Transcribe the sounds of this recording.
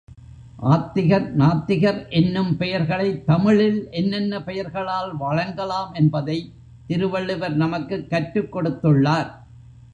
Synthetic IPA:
ʔaːt̪ːɪɣɐɾnaːt̪ːɪɣɐɾʔɛnːɯmpɛjɐɾɣɐɭɐɪt̪ːɐmɪɭɪlʔɛnːɛnːɐpɛjɐɾɣɐɭaːlʋɐɻɐŋɡɐlaːmɛnbɐðɐɪ | t̪ɪɾɯʋɐɭːɯʋɐɾnɐmɐkːɯkːɐʈɾɯkːɔɽɯt̪ːɯɭːaːɾ

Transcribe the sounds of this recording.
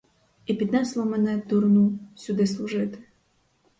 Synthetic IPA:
ipʲid̪nɛslˠɔmɛnɛd̪uɾnusʲʊd̪ɪslˠuʐɪt̪ɪ̥

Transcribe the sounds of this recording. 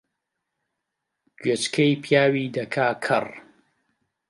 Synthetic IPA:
ɡ̥ɥet͡ʃkʰejpʰjaːwiːd̪ɐkʰaːkʰɐ̰r

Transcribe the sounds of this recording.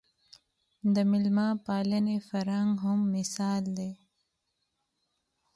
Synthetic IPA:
d̪əmɪlmɑpɑːlənefaɾaŋɡɦʊmːɪsɑːld̪e

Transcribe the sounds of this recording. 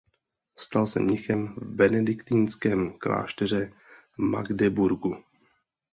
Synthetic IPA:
st̪alsɛ̰mɲɪxɛmvbɛnɛdɪkt̪inskɛːmkla̰ːʃt̪ɛr̝ɛ | ma̰ɡdɛbuɾɡu

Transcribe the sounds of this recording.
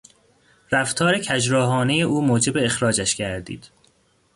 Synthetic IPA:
ɾæft̪ʰɒːɾecʰæd͡ʒɾɒːɦɒːne̞je̞ʔuːmoːd͡ʒe̞be̞ːxɾɒːd͡ʒæʃcʰæɾd̪ḭːd̪̥

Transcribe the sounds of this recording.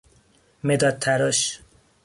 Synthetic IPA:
med̪ɒt̪̚t̪ʰæɾɔʃ

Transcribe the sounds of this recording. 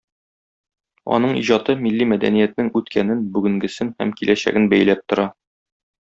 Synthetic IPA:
ɒ̰nɤɴḭʑɒt̪ɤmilːimæd̪æ̰nijæt̪nɘŋʉt̪kʰænɘnbʉɡɘ̆ŋɡɘ̆sɘnhæ̰mkilæɕæ̰ɡɘnbæjlæp̚t̪ŏɾɑ

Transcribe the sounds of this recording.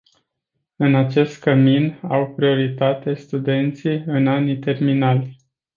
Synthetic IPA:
ɨnat͡ʃe̞st̪̚kəminawpɾio̞ɾit̪at̪e̞st̪ud̪e̞nt̪sijɨnanit̪e̞rminalʲ

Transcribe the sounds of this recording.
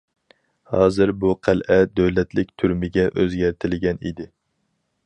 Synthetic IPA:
hɑːzɨɾbuqʰælʔɛd̪øwlɛt̪ʰlɪk̚ʲt̪ʰyɾmɪɡʲɛʔøzɡʲæɾt̪ʰɪlɪɡʲɛnḭd̪ɪ

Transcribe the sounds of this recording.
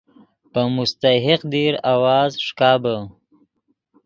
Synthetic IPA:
pəmʊst̪aɦɪqd̪iɾawɑːzʂkɑːbə

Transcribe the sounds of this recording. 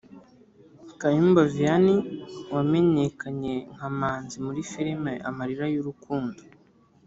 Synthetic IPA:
kajimbovianiwame̞ɲekaɲe̞ŋ̥hamaːnzimuɾifiɾimeʔa̰maɾiɾajuɾukuːndo

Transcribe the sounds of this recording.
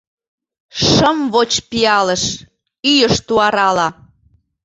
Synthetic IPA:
ʃəmβot͡ɕpiɑlə̆ʃ | yjəʃt̪uɑɾɑlɑ

